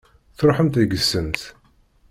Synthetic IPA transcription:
θɾˤoħəmt̪æɡəsːənt̪

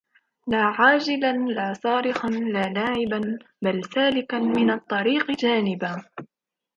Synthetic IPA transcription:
laːʕaːd͡ʒɪlanlaːsˤɑːɾɪxanlaːlaːʕɪban | balsaːlɪkamɪnɑt̪ˤːɑɾiːqd͡ʒaːnɪbaː

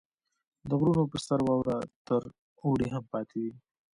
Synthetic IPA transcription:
d̪əɣɾunopəsaɾwɑwɾat̪əɾ | oɽeɦampɑt̪ʰewi

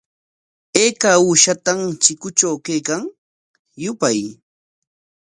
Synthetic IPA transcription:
eːkauːʃat̪amt͡ʃɪkʊt͡ʃawkajkaŋ | jʊpaj

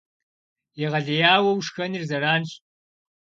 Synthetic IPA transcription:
iʁɐɮɐjaːwɐwʂxɐnirzɐɾaːnɬ

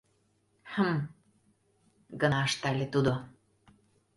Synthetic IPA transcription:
həm | ɡə̆nɑəʃt̪ælʲet̪ud̪o

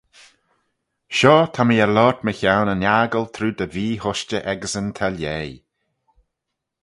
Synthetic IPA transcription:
ʃɔːt̪ʰamiəlɔːɹt̪məçawnənjaːɡəlt̪ʰɾuːd̪əviːhʊʃt͡ʃəʔɛɡəsənt̪ʰaljej

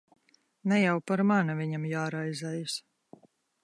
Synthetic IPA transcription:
nɛjawpaɾmanavʲiɲamjaːɾajzɛjus

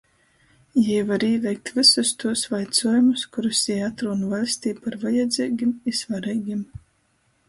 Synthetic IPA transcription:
jɛjvaɾiːvʲɛjk̚t̪vɨsust̪uɔsvajt̪suɔjumuskuɾusjɛjat̪ɾuːnuvalʲsʲt̪iːpaɾvajɛd̪zʲiːɡʲimisvaɾɛjɡʲim

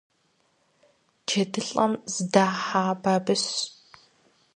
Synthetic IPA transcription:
t͡ʃʰedɨɬʼɐmzɨdaːħaːbaːbɨs

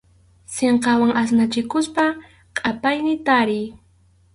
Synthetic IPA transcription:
seɴqɑwaŋas̬nat͡ʃɪkʊspa | qʼapajnɪt̪aɾɪj

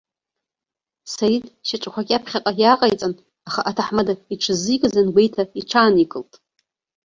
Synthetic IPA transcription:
saɾitʼʃaʈ͡ʂʷʼakʷʰakʲʼapʰχʲaqʼajaqʼajt͡sʼan | aχaʔatʰaħmadaiʈ͡ʂʰɨzɨjkʼɨzanɡʷejtʰaiʈ͡ʂʰaːnikʼɨltʼ

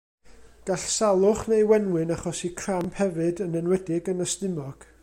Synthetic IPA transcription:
ɡ̥aɬsalˠʊχnejwɛnwɨnaχɔsikʰramphɛvɨdənənwɛdɪɡənəstɨmɔɡ̥

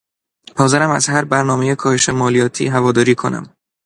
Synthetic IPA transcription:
pɒːzeɾæmæzhæɾbæɾnɒːme̞jekʰɒːheʃe̞mɒːlijɒːt̪ʰḭːɦævɒːd̪ɒːɾiːkʰo̞̰næ̰m

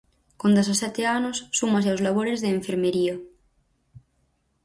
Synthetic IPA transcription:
kond̪asasɛt̪eanosːumas̬eawzlaβ̞oɾezðeːɱfeɾmeɾiɐ

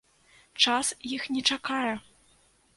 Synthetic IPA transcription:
t͡ʂasjixnʲɛt͡ʂakajɛ

